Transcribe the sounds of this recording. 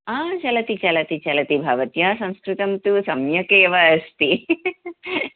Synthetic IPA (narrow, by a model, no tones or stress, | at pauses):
aːt͡ʃɐlɐt̪it͡ʃɐlɐt̪it͡ʃɐlɐt̪ibʱaːʋɐt̪jaːsɐ̃skɾɪt̪ɐmt̪usɐmjɐkeːʋɐɐst̪i